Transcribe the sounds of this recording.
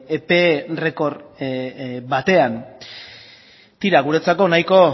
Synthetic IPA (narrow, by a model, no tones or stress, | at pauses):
epere̞ko̞ɾ | bat̪e̞an | t̪iɾaɣ̞uɾe̞t͡sako̞najko̞